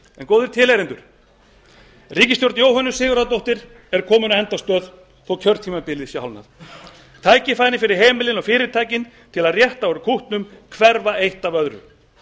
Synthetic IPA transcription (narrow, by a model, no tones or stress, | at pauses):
ɛnkoːwðʏɾ̥t̪ʰɪːlɛɾɪnt̪ʏɾ̥ | riːcɪst̪jowɾt̪njoːwɦœnːʏ̥sɪːɣʏɾaðt̪̬owht̪ɪɾ̥ | ɛɾkʰɔːmʏnaɛnt̪ast̪œːð | θɔwcʰœɾt̪ʰiːmapɪlɪðsjɛhalna̰θ | t̪ʰaːjcɪfajnɪfɪɾɪɾ̥ɦeːmɪlɪnɔfɪːɾɪɾt̪ʰaːjcɪn | t̪ʰɪlaðrjɛht̪aɔɾʏkʰuht̪nʏmkʰvɛɾvaejht̪avœðɾʏ̰